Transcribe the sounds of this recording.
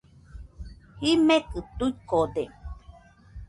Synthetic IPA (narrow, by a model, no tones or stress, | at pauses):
himekɨt̪uikod̪e